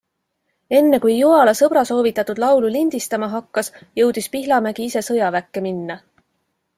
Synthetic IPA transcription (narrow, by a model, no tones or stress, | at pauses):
e̞nːe̞kujːuɦɑlɑsɤb̥ɾɑso̞ːvit̪ːˑɑt̪ːˑud̪̥lɑwlulind̪̥ist̪ɑmɑɦɑkːɑsjɤwd̪̥ispiɦlɑmæɡ̥iise̞sɤ̞jɑvækˑːe̞minːɑ